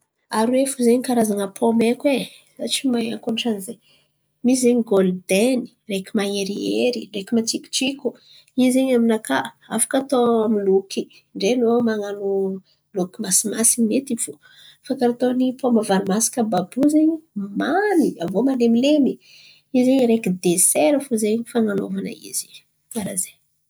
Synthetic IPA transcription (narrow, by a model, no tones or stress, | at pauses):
aɾwefuzeɲikaɾazaŋəpʰomekwe | at͡ʃimaa̰ŋkonʈ͡ʂanize | miszeɲɡold̪eni̥ | rekʲimaŋeɾieɾiɖ͡ʐekimat͡ʃiki̥t͡ʃikʲu | izeɲaminaka | afḁkat̪oamilukʰi | ɳɖ͡ʐenomaŋano | lukʲimasimasimet̪ifu | fakaɾit̪onipomavaɾimasi̥kəbabuzeɲimaniavomalemilemi | izeɲɾekid̪eseɾəfuzeɲifaŋanovanə̰ḭz̥i | aɾaze